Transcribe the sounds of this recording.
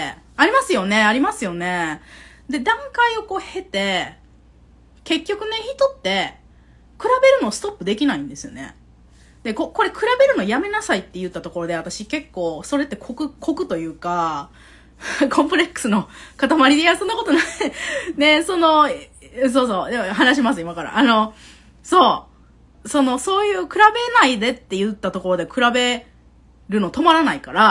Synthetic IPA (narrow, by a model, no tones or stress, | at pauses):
aɾʲimasɨjo̞ne̞aɾʲimasɨjo̞ne̞ | d̪e̞d̪ãŋkaio̞ko̞ːhe̞t̪e̞ | ke̞kʲːo̞kɯ̟ne̞çit̪o̞t̪ːe̞ | kɯ̟ɾabe̞ɾɯ̟no̞sɨ̥t̪o̞pːɯ̟d̪e̞kʲinaĩnd̪e̞sɨjo̞̰ne̞̰ | d̪eko̞ko̞ɾe̞kɯ̟ɾabe̞ɾɯ̟no̞jame̞nasait̪ːe̞jɯ̟t̪ːat̪o̞ko̞ɾo̞d̪e̞at̪aɕike̞kːo̞ːso̞ɾe̞t̪ːe̞kʰokɯ̟kʰo̞kɯ̟t̪o̞jɯ̟ːka | kʰõ̞mpɯ̟ɾe̞kːɯ̥sɨno̞kat̪amaɾʲid̪ijasonːako̞t̪o̞na | ne̞so̞nõ̞ | s̬o̞ːso̞ːd̪emaɦanaɕ̬imas̬ɨimakaɾa̰ʔano̞ | so̞ː | so̞no̞so̞ːjɯ̟ːkɯ̟ɾabe̞naid̪e̞t̪ːe̞jɯ̟t̪ːat̪o̞ko̞ɾo̞d̪e̞kɯ̟ɾabe̞ | ɾɯ̟no̞t̪o̞maɾanaikaɾa